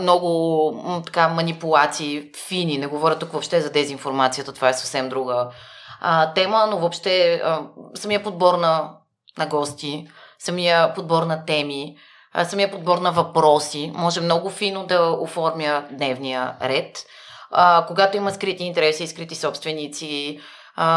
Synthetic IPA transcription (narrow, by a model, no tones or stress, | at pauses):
mnɔɡʊt̪ɐ̥kamɐnipulˠat̪siː | fininɛɡovɔɾʲət̪ːukvopʃt̪ɛzɐd̪ɛzinfoɾmat̪sijət̪ət̪ovaɛsɐ̥fsɛmd̪ɾuɡə | t̪ɛmənovopʃt̪ɛəsɐmijəpod̪̚bɔɾnɐ | nɐɡɔst̪isɐmijəpod̪̚bɔɾnɐt̪ɛmi | sɐmijəpod̪̚bɔɾnɐvɐpɾɔsimɔʒɛmnɔɡʊfinod̪ɐofɔɾmʲjəd̪nɛvnijə̰ɾɛt̪əkoɡat̪oimɐskɾit̪iːnt̪ɛɾɛsiːskɾit̪isɔpst̪vɛnit̪si